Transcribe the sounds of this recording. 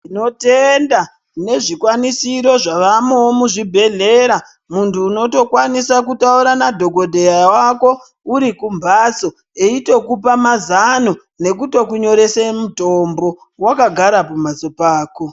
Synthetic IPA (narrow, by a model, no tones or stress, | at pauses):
ino̞tenda | ne̞ʐikwanisiɾo̞ʐaʋamewomuʐibʱe̞ɮe̞ɾa | muntuːno̞to̞kwanisakutauɾanadʱo̞ɡo̞dʱejawako̞ | uɾikumbʱaso̞ | eito̞kupamazano | ne̞k̬uto̞kuɲo̞ɾe̞semutombo̞ | wakaɡʱaɾapamaso̞paːko̞